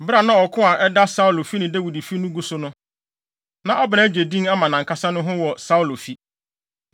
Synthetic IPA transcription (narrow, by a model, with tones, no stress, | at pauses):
bɾa˨nã˦ɔ˨kʰʊ̃˦a˨ʔɛ˦da˦sa˦u˨lo˨fi˦nɪ̃˨dæ˦wi˨di˨fi˦nʊ̃˦ɡu˦sʊ˦nʊ̃˦ | nã˨ʔɔ˦bɪ˨nã˨˦d͡ʑᶣe˨dĩ˦ŋa˦mã˨nã˨ŋ̩˨kʰa˦sã˦nʊ̃˦ɦʊ̃˦wɔ˨sa˦u˨lo˨fi˦